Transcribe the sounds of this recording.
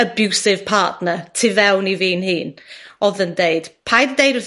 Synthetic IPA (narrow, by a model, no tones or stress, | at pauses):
əbjuwsɪv̥pʰaːˑtnətʰɪvɛwniviːnhiːnɔðəndejd̥pʰajdədejdə